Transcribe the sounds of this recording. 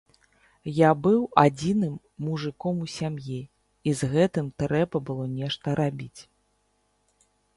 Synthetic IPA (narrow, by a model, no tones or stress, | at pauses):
jabɨwad͡zʲinɨmː | uʐɨkɔmusʲamji | izɣɛt̪ɨmt̪ɾɛbɐbɨlˠɔnʲɛʂt̪ɐɾabʲit͡sʲ